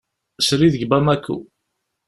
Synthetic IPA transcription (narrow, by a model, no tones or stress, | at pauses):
sɾiðəɡbamækːṵ